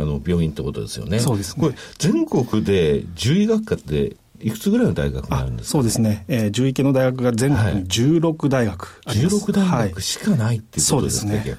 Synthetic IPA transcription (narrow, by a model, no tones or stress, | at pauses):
anobʲo̞ːĩnt̪eko̞t̪o̞̰d̪e̞sɨjo̞̰neso̞ːd̪esɨ̥oɾezẽ̞ŋko̞kɯ̟d̪e̞d͡ʑɨːiɡakːat̪ːe̞̰ | ikɯ̟̥t͡sɨɡɯɾaino̞d̪a̰iɡa̰kɯ̟maaɾɯ̟nd̪esso̞ːd̪e̞sɨne̞eːd͡ʑɨːike̞no̞d̪aiɡakɯ̟ɡazẽ̞ŋkokkkɯd͡ʑɨːɾo̞kɯ̟d̪aiɡakɯ̥aɾiːɾokɯd̪aiaikɯ̟ɕi̥kanait̪ːeiɯso̞ːodesɨneka